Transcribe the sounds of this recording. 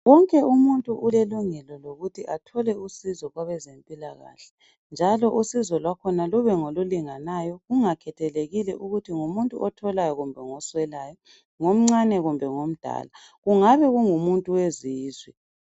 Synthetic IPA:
wɔŋkʼɛumuntʼuʔuleluŋɛlɔloɣutʰiʔatʰɔlɛusizɔɣwaβɛzempʼilaɣa̰ːɬɛ̥ | nd͡ʒʱalɔʔusizɔlwakʰɔnaluβɛŋoluliŋanajɔɣuŋakʰɛtʰɛleɣilɛʔuɣutʰiŋumuntʼuʔɔtʰɔlajɔɣumbʱɛŋɔswɛlajɔ | ŋom̩ŋ͡ǀanɛɣumbʱɛŋom̩d̥ʱa̰la | ɣuŋaβɛɣuŋumuntʼuweziːzwḭ

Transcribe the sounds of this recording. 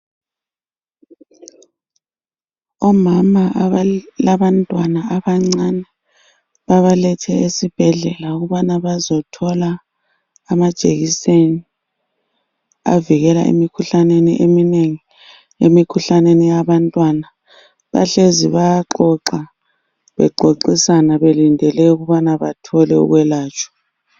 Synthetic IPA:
ɔmama | laβantʼwanaaβaŋ͡ǀanɛ | βaβalɛtʰɛesib̥ʱɛɮɛlauɣuβanaβazɔtʰɔlaː | mad̥ʒ̥ʱeɣiseni | a̰viɣɛla̰ʔḛmikʰuɬaneniʔemineŋi | ḛmikʰuɬanenijaβantʼwana | βa̰ɬeziβajaǃɔǁa | βɛ̰ɡ͡ǃʱoǃisanaβelindʱɛlɛuɣuβanaβatʰɔlɛṵɣwɛlaːt͡ʃʼɔ̥

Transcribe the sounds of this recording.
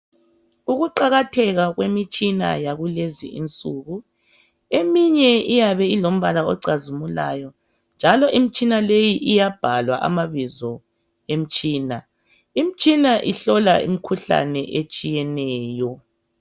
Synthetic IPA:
uɣuǃaɣatʰɛɣaɣwemit͡ʃʼina̰jaɣulezḭʔḭnt͡sʼuɣu | emiɲɛijaβɛilom̩βalaɔǀazumulaːjɔ | nd͡ʒʱalɔʔimit͡ʃʼinalejiʔijab̥ʱalwaʔa̰maβizɔ | em̩t͡ʃʼiːna | im̩t͡ʃʼinaʔiɬɔla̰ʔḭmikʰuɬa̰nɛʔet͡ʃʼijɛnɛːjɔ

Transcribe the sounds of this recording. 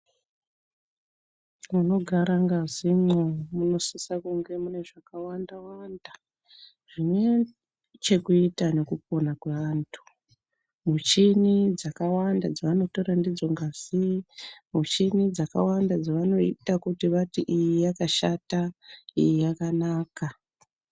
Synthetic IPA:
muno̞ɡʱaɾaŋɡazimomuno̞sisakuŋɡe̞mune̞ʐakawandawanda | ʐ̥ine̞ | t͡ʃe̞kuitane̞kup̚o̞nakweʋantʰu̥ | mut͡ʃinid͡zakawandad͡zaʋano̞to̞ɾandid͡zo̞ŋɡaz̥imut͡ʃinid͡zaka̰wandad͡zaʋano̞itakutiʋatiʔijijakaʃataijijakanaːka

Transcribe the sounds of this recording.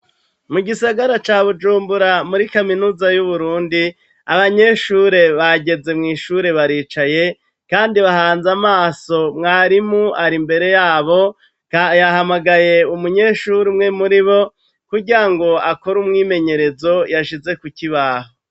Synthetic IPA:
muɡisaɡaɾat͡ʃaːβud͡ʒuːmbuɾamuɾikaminuːzajuβuɾuːndi | aβaɲe̞ʃuːɾe̞βaɟe̞ze̞mŋiːʃuɾe̞βaɾiːt͡ʃaje̞ | kaːndiβahaːnzamaːso̞mŋaːɾimuaɾimbe̞ɾe̞jaːβo̞ | jaɦamaɡaje̞umuɲe̞ʃuɾimŋe̞muɾiβo̞ | kuɟiɾaŋɡo̞ako̞ɾumŋiːme̞ɲe̞ɾe̞zo̞jaʃize̞kuciβaɦo

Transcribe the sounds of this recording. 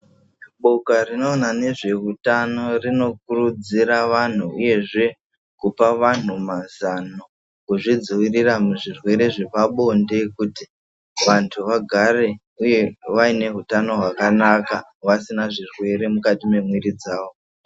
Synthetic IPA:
ɓokarino̞ːnane̞ʐe̞ɦutano̞rino̞k̚urud͡ziɾaʋan̤uuje̞ʐe̞ | kupaʋan̤umazano | kuʐid͡zuʋiriramuʐirwe̞ɾe̞ʐepaɓo̞nde̞kuti | ʋantʰuʋaɡʱare̞ | uje̞ʋaine̞ɦutano̞ɦwakanaka | ʋasinaʐirwe̞ɾe̞mukatime̞mwiɾid͡zaːʋo̞

